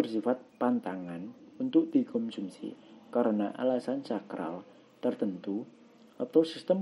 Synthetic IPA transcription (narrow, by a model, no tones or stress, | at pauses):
ərsifat̪̚pant̪aŋanunt̪ʊʔ̚d̪̥ikɔmsumsḭkaɾənaʔa̰lasant͡ʃakɾa̰l | t̪ərt̪ənt̪u | at̪awsist̪əm